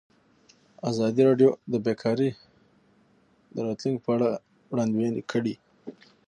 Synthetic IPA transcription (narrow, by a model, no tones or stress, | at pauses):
azɑd̪iɾɑɖjod̪əbekʰɑɾi | d̪əɾɑt̪luŋɡpʰəaɽa | wɽɑnd̪wenikʰəɽi